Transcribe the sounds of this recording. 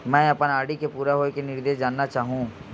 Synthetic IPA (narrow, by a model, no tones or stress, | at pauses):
mɛ̃ːɐpənaːɽikepuːɾaɦoːekenɪɾd̪eːʃd͡ʒaːnːat͡ʃaːɦũː